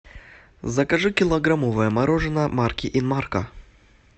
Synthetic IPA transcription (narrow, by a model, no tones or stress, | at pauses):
zɐkɐʐɨkʲɪlˠɐɡɾamovəjəmɐɾoʐɨnəmarkʲɪʔinmarkɐ